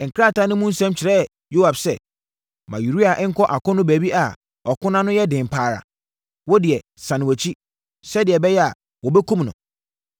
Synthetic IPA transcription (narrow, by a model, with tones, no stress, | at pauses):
ŋ̩˨kʰɾa˦˨tʰa˦nɪ̃˦mũ˦n̩˦sɛ̃˦mt͡ɕʰɪ˨ɾɛ˦˨ | jo˦a˨bsɛ̰˨ | mã˨ju˨ɾi˦a˨ʔɛ˦ŋ̩˦kʰɔ˦ʔa˨kʰʊ̃˦nʊ̃˦bæː˨bi˦a˨ | ɔ˨kʰʊ̃˦nã˦nʊ̃˦jɛ˦dɪ̃˨m̩˨pʰaː˨ɾa̰˨ | wɔ˦dɪ˨ɛ˨ | sã˨nɪ̃˨æ˨t͡ɕʰi˦ | sɛ˦dɪ˨ɛ˨bɛ˦jɛ˦a˨ | wɔ˨bɛ˦kʰũ˦mnʊ̰̃˨